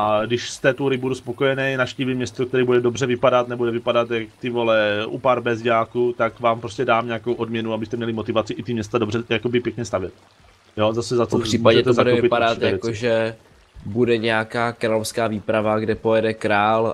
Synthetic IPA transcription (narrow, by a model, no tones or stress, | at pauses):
ʔadɪʃst̪ɛt̪uɾɪbuduspo̞ko̞jɛnɛjnafʃciːvimɲɛst̪okt̪ɛɾiːbudɛdo̞brɛvɪpadat̪nɛbudɛvɪpadat̪jakt̪ɪvo̞lɛʔṵpaɾbɛzɟaːkut̪akvaːmpɾo̞scɛdaːmɲɛakowʔo̞dmɲɛnuabɪst̪ɛmɲɛlɪmot̪ɪvat͡sɪʔɪt̪ɪmɲɛst̪ado̞brɛjako̞bɪpjɛkɲɛst̪avjɛt̪̚ | jo̞zasɛzat͡soriːmːpaʒɛt̪ɛzadɛvɪpɪadatt̪ɛavjɛkoʒɛ | budɛɲɛjakaːkɾaːlofskaːviːpɾavaɡdɛpojɛdɛkɾaːl